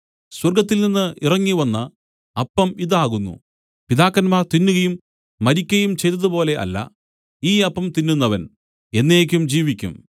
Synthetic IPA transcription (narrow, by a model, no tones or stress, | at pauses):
swɐrɡɐt̪̬ːilninːɨʔirɐŋːiʋɐnːɐ | ɐpːɐmiðaːɣunːṵ | pid̪aːkːɐnmaːrt̪inːuɣɐjumː | ɐɾikʲːɐjumt͡ɕe̞jt̪ɐðupo̞ːle̞ʔɐ̰lːɐ̰ | iːɐpːɐmt̪inːunːɐʋɐn | e̞nːeːk̬ʲːumd͡ʑiːʋikʲːṵm